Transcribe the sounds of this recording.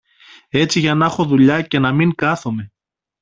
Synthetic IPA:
e̞t͡siʝɐnɐxo̞ðuʎɐce̞nɐmiŋkɐθome̞

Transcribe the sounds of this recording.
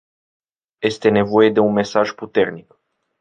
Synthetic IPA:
je̞st̪e̞ne̞vo̞je̞d̪e̞unme̞saʒput̪e̞rnik

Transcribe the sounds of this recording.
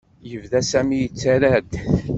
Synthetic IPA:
jəvðæsæmijət͡sːæɾæd̪

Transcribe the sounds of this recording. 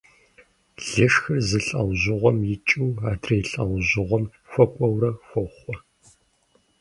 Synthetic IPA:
ɮ̥ɨʂxɐrzɨɬʼɐ̰wʑɪʁʷɔmjɪt͡ʃʼuːaːdrejɬʼɐ̰wʑɪʁʷɔm | fʷɔkʷʼɔwɾɐxʷɔχʷɔ

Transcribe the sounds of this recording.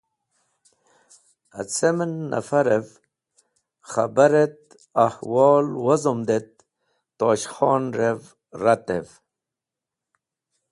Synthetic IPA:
a̰t͡semənːa̰faɾev | χabaɾet̪̚ | ahwɔːlwazomd̪et̪̚ː | oːɕxoːnɾev | ɾat̪ev

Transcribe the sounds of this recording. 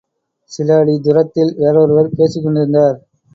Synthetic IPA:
sɪlaːɽid̪ʊɾɐt̪ːɪlʋeɾoːɾɯʋɐɾpeːsikːɔɳɖɪɾɯnd̪aːɾ

